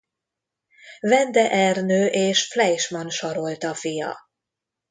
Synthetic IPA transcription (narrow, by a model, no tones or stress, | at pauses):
vɛnd̪ɛʔɛrnøːʔeːʃflɛjʃmɒnʃɒɾo̞lt̪ɒfijɒ̰